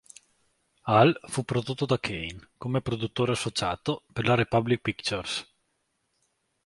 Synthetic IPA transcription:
alfupːɾod̪ot̪ːod̪akʰejnkomepɾod̪ut̪ːoːɾeasːot͡ʃaːt̪operlaɾepablik̚pikt͡ʃors

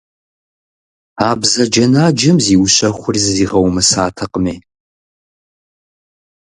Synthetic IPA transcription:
aːbzɐd͡ʒɐnaːd͡ʒɪmziːwɕɐχʷʊrzziːʁɐwmɨsaːtʰɐqəmeː

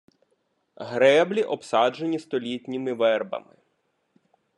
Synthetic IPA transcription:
ɦɾɛblʲiʔɔpsɑd͡ʒenʲist̪ɔlʲitʲnʲɪmɪʋɛrbɐ̰mɪ

